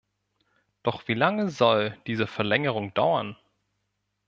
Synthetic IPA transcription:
d̥ɔχv̥iːlaŋəzɔld̥iːzəfɛɐlɛŋəʁʊŋd̥a̰ʊɐn

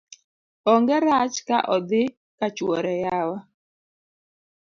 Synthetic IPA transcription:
ɔŋɡɛɾat͡ʃkaʔɔd̪ɪ | kat͡ʃwɔɾɛjawa

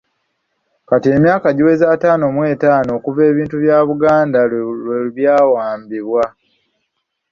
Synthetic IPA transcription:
katie̞mjaːkaɟiwe̞zaːtaːno̞mwe̞ːtaːno̞ːkuve̞ːβiːntuβjaːβuɡaːndaeβjaːwaːmbiβwa

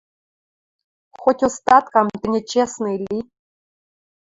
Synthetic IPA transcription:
xotʲost̪ɑt̪kɑmt̪ɘ̆nʲĕt͡ɕesnɤilʲːi

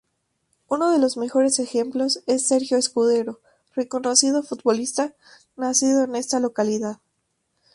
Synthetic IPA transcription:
uno̞ðe̞lo̞zme̞xo̞ɾe̞se̞xe̞mplo̞se̞sːe̞ɾxjoeskuðe̞ɾo̞ | re̞ko̞no̞sið̞ofut̪βo̞list̪a | nasiðo̞e̞ne̞st̪alo̞kaliðað

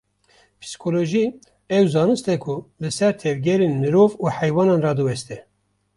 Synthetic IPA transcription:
pʰɨ̥si̥kʰoloʒi | ɛwzɑːnɨst̪ɛkʰulɨsɛɾt̪ʰɛvɡɛɾeːnmɨɾovuːħɛjwɑːnɑːnrɑd̪ɨwɛst̪ɛ

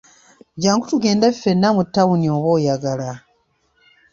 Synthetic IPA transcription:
ɟaːŋɡutuɡe̞ːndefːe̞nːamutːawunio̞ːβoːjaɡala

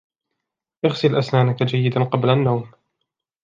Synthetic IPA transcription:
ʔɪɣsɪlʔasnaːnakad͡ʒajːɪd̪anqɑblanːawm

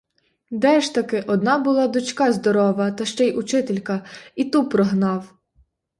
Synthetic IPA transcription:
d̪ɛʃt̪ɐkɪʔɔd̪̚nɑbʊlˠɑd̪ʊt͡ʃkɑzd̪ɔɾɔʋɐt̪ɐʃt͡ʃɛjʊt͡ʃɪt̪elʲkɐit̪upɾɔɦnɑw

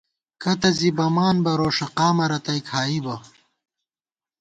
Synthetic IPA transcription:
kɐt̪ɐzibɐmaːnbɐɾoːʂɐqaːmɐɾɐt̪ɐjkʰaːibɐ

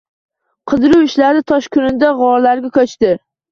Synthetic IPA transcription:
qʰɨd̪ɪɾʊwɪʃlaɾɪt̪ʰɒʃkʰʊnɪd̪aʁɒɾlaɾɡʲakʰʲɵt͡ʃt̪ɪ

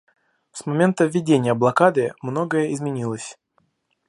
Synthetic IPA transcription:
smɐmʲe̞nt̪əvʲːɪdʲenʲɪjəblˠɐkad̪ɨmno̞ɡəjəɪzmʲɪnʲilˠəsʲ

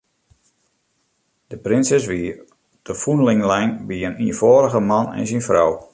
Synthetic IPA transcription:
d̥əprɪnsɛsʋi | d̥əfunlɪŋlɛjnbiəniəfoːɾəɣəmanɛ̰nsinfrɔw

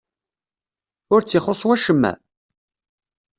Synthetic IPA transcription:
ʊɾt͡sːiχosˤwæʃəmːæ̰

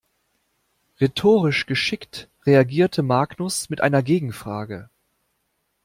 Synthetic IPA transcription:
ʁetʰoːʁɪʃɡ̥əʃɪktʁeaɡiːɐtʰəmaːknʊsmɪtʔa̰ɪnɐɡeːɡŋ̩fʁ̥aːɡə̰

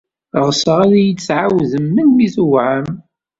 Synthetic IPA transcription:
ʁsəʁaðæjət͡sːʕawðəmːənmiθuwʕəm

